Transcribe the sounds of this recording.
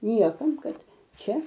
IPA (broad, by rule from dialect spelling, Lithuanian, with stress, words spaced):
ˈnʲiɛkɐm ˈkɐt ˈt͡ʃʲɛ